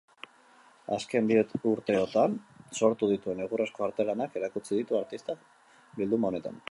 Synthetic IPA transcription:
a̰ske̞mbiouɾt̪e̞ot̪anso̞ɾt̪uðit̪ue̞neɣ̞uresko̞aɾt̪e̞lanake̞ɾakut͡siðit̪uaɾt̪ist̪ak | bild̪umaone̞t̪a̰n

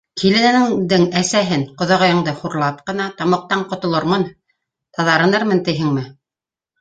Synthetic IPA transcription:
kʰilɘ̆nænɘŋd̪ɘŋæsæɦɘnqŏðɑ̆ʁɤ̆jɤ̆ɴd̪ɤχuɾlˠɑp̚qɤ̆nɑt̪ɑmɤ̆q̚t̪ɑɴqŏt̪ŏlˠɤɾmɤn | t̪ɑðɑɾɤ̆nɤɾmɤnt̪ɘ̆jɦɘŋmɘ

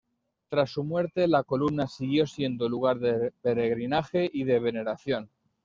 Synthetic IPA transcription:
t̪ɾasːumwe̞ɾt̪e̞lako̞lumnasiɣjo̞sje̞nd̪oluɣ̞aɾðepe̞ɾe̞ɣɾinaxe̞ʔið̞e̞β̞e̞ne̞ɾaθjo̞n

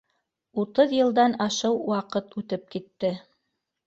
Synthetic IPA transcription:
ut̪ɤðjɤ̆lˠd̪ɑnɑʃɤwwɑqɤt̪ʉt̪ɘp̚kit̪ːɘ

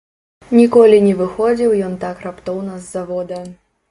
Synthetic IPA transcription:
nʲikɔlʲinʲɛvɨxɔd͡zʲiwjɔnt̪akɾapt̪ɔwnɐzːavɔd̪ɐ

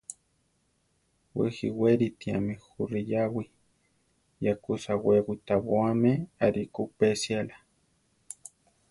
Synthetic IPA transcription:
wexiweɾit̪iamexurijawi | jakusawewit̪awoameaɾikupesiala

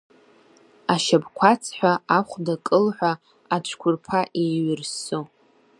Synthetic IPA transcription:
aʃabkʷʰat͡sʰħʷaaχʷdakʼɨlħʷa | at͡ʃʷʰkʷʰʊrpʰaʔiɥɪrso

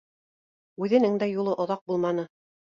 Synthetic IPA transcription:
ʉðɘ̆nɘŋd̪æjulˠɤʔŏðɑq̚bulˠmɑnɤ

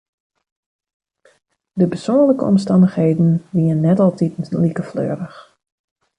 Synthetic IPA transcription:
dəpəsoənləkəɔmstɑndəxheːdn̩ʋiənːɛtɑlˠtʰitn̩likəflø̰ːɾəx

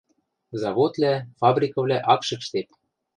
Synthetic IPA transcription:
zɑβot̪læfɑbrʲikɤ̆vlʲæʔɑkʃɤ̆kʃt̪ep̪̚

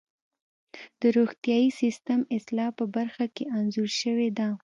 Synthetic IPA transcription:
d̪̥əɾoxt̪jɑjisist̪əmɪslɑpəbaɾxakeʔanzuɾʃəwed̪a

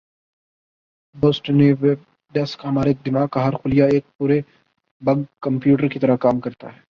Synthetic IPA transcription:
boːsʈniʋeːb̚ | ɖɛskɦɐmaːɾeeːk̚d̪ɪmaːɡ̚kaɦɐɾxʊlijaeːk̚puːɾe | bɐɡkɐmpjuːʈəɾkit̪ɐɾəkaːmkɐɾt̪a̰ɦɛː

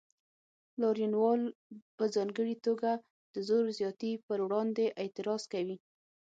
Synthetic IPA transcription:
lɑɾjunwɑlpəzɑŋɡəɽit̪oɡa | d̪̥əzoɾzjɑt̪ipəɾwɽɑnd̪eʔet̪ɪɾɑz̥kawi

